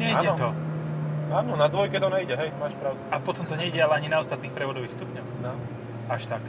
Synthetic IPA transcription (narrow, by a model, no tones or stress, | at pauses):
ɲɛiaːɛt̪ɔ | aːnɔnad̪ʋɔjkɛt̪ɔnɛiɟɛɦɛjmaːʃpɾaʊd̪uapɔt̪ɔmt̪ɔɲɛiɟɛalɛaɲinaɔst̪at̪niːxpɾɛʋɔd̪ɔʋiːxst̪upɲɔʊnaː | aʃt̪ak